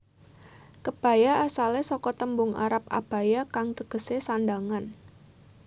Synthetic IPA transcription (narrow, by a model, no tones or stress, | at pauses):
kəb̥a̤jaːsalesɔkɔt̪əmbʊŋʔa̰ɾap̚a̰b̥a̤jakaŋt̪əɡ̥ə̤sesandaŋan